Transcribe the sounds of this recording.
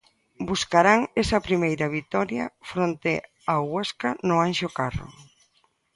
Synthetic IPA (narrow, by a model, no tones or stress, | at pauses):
buskaɾaŋɛsɐpɾimejɾɐβ̞it̪ɔɾjɐ̰fɾont̪ɪ | aɣweskanʊanʃʊkarʊ̰